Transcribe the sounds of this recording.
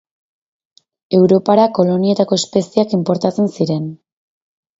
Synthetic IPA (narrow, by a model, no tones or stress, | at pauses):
e̞wɾo̞paɾako̞lo̞nie̞t̪ako̞e̞spe̞siakimpo̞ɾt̪at͡se̞nsiɾe̞n